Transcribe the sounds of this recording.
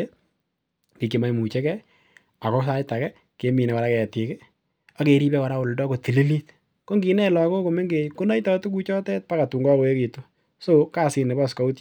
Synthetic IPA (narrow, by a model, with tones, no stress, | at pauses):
e˦ | ki˨kːi˨ma˨jmu˨t͡ʃɛ˦kɛ˦ | a˨kɔ˦sa˦jta˨kɛ˦ | ke˨˦mi˨nɛ˨ka˨ɾa˦kɛ˨tɪ˨ke˦ | a˦ke˨ɾi˦bɛ˦ka˨ɾa˦ʊ˨ldɔ˦ko˨ti˨li˦li˦t̚ | ko˦ŋɡi˨nɛ˦lɔ˨ko˦ko˨me˦ŋɡe˨ko˦na˦jtɔ˨tu˦ku˦t͡ʃɔ˦tɛ˦t̚pa˦ka˨tu˨ŋɡɔ˦ko˨e˦ki˨to˦ | so˦ka˦˨sɪ˨ne˨ba˦ska˦u˦t